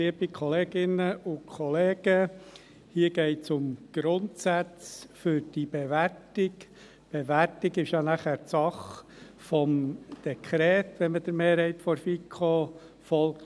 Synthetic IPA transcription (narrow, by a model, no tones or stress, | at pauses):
liəbikʰχɔleːɡ̥ɪnəʊkʰɔleːɡ̥ə | hiːəɡ̥ɛɪtsʊmɡ̥ɾʊntsæt͡sfʏɾd̥ib̥eʋæɾtɪk | b̥eʋæɾtɪɡɪʃjɑnæχæːɾsɑχ | fɔmd̥ɛkʰɾɛːtʋɛnməd̥̪əɾmeːɾhɛɪt̪fɔɾfikʰχo | fɔlkt